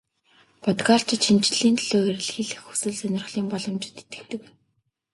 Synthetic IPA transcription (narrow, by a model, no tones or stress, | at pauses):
pɔt̪ɡaːɬt͡ɕɪ̆t̪ʃint͡ɕ̆ɮiːnt̪ʰɮoːeɾɘ̆ɮxiɮɘ̆xu̥sɘ̆ɮsœnʲɪ̆rχɮiːmpɔɮɞ̆mt͡ɕɪ̥̆t̪e̥t̪ɘ̥̆k̚t̪ɘ̆k